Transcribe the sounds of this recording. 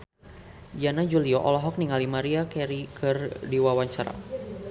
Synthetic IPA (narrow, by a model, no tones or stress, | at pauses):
janad͡ʒuliɔʔɔlɔɦɔk̚niŋalimaɾiakɛɾikʰɨrdiwawaɲt͡ʃaɾa̰